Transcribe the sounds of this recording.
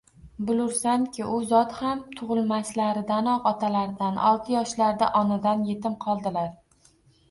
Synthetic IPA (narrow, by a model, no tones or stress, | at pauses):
bʊlʊɾsaŋkʲʰɪʔʊzɒt̪hamt̪ʰʊʁɨlˠmaslaɾɪd̪anɒqɒt̪ʰalaɾd̪anɒ̰lˠt̪ʰɪjɒʃlaɾd̪aʔɒnɪd̪anje̞t̪ʰɪmqʰɒlˠd̪ɪlaɾ